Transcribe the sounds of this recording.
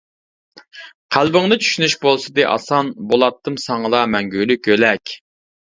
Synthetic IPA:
qʰælbɪŋnɨt͡ʃʰy̥ʃynyʃbolˠsɨd̪ɨʔɑ̰sɑnbolˠɑt̪ʰːɨmsɑŋəlˠɑmɛŋɡʲylykʲølɛkʲ

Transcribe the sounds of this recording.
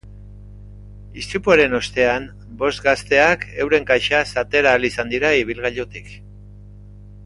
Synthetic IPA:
ist̪upuaɾe̞no̞st̪e̞am | bo̞st̪ɡast̪e̞akʰe̞wɾe̞ŋkajʃasat̪e̞ɾaːlisand̪iɾaiβ̞ilɣaʎot̪ik

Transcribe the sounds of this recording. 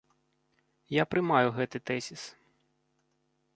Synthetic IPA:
japɾɪmɑjʊɣɛt̪ɨt̪ɛsʲis

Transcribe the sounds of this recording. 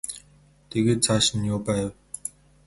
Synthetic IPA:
t̪eɣeːt͡sʰaʃ̆njoːpæːw

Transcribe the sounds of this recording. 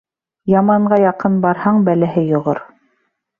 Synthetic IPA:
jɑmɑɴɢɑjɑqɤnbɑɾhɑɴbælæɦɘjŏʁo̰ɾ

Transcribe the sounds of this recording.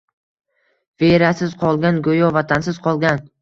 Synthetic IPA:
veɾasɪz̥qʰɒlˠɡʲanɡojɒvat̪ʰansɪzqʰɒlˠɡʲan

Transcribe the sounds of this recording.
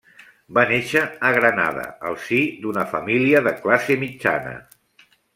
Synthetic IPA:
baneʃəːɣɾəna̰ðə̰ə̰lˠsid̪unəfəmiliəðəklasemid͡ʒa̰nə̰

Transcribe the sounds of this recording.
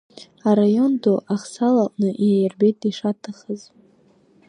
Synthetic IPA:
aɾajo̞ndoʔaχsalaʔʼnɨʔiajarbe̞jt̚ʰʼiʂatʰaχəz

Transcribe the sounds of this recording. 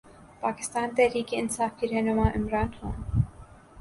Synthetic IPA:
pɑki̥st̪ɑnt̪ɛɾikiənt͡sʰɑfkʰiɾɛnumɑʔimɾɑnhɔ̰m

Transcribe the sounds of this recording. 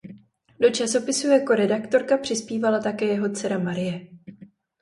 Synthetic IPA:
do̞t͡ʃaso̞pɪsujako̞ɾɛdakt̪o̞ɾkapr̝̥ɪspiːvalat̪akɛːjɛɦo̞t͡sɛɾamaɾɪjɛ

